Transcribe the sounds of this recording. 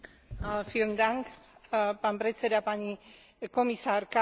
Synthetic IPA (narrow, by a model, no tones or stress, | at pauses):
fiɾnd̪aŋkpampɾet͡sed̪apaɲi | komisaɾka